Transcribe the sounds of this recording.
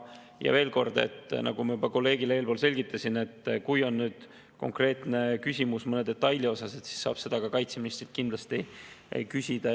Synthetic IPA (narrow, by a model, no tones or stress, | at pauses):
jɑ̰ve̞ːlko̞rd̪̥e̞̰t̪ːnɑ̰ɡ̥umɑjybɑko̞lːe̞ːɡileeːlpo̞ːlse̞lʲɡit̪ːˑɑsʲine̞t̪ːkujo̞nːyːd̪̥ | ko̞ŋkre̞ːt̪ˑne̞kysʲimusmɤned̪̥e̞t̪ːˑɑjlʲio̞sɑse̞t̪si̥sːɑ̰ːb̥se̞d̪ɑɡ̥ɑkɑjt̪seminist̪rit̪̚kind̪lɑst̪ikysʲid̪̥ɑ